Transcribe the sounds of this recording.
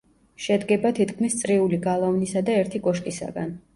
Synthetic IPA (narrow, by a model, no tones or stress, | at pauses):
ʃɛd̪ɡɛbat̪ʰit̪kʰmist̪sʼɾiuliɡalˠɔvnisad̪aɛɾt̪ʰikʼɔʃkʼisa̰ɡa̰n